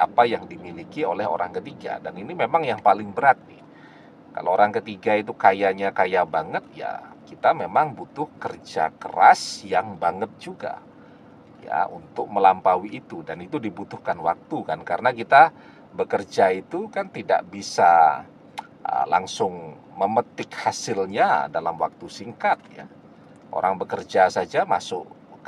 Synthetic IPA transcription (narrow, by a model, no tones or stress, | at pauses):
ʔapajaŋdimilikiolɛɦo̰ɾaŋkət̪iɡa̰daninimemaŋjaŋpalɪŋbəɾat̪̚ɪ | ka̰looɾaŋkət̪iɡait̪̬ukajaɲakajabaŋət̪̚ja̰kit̪amemaŋbut̪ʊhkərd͡ʒa̰kə̰ɾa̰sjaŋbaŋət̪̚d͡ʒuɡa̰ | ja̰ʔunt̪ʊk̚məlampawiːt̪udanit̪udibut̪ʊhkanwak̚t̪ukankaɾənakit̪a | bəkərd͡ʒait̪ukant̪ida̰ʔbisa | ʔə̰la̰ŋsʊŋ | məmət̪ɪkhasɪlɲadalamwak̚t̪usiŋkat̪̚ja̰ | ʔo̰ɾʔaŋbəkərd͡ʒasad͡ʒama̰sʊ̰ʔ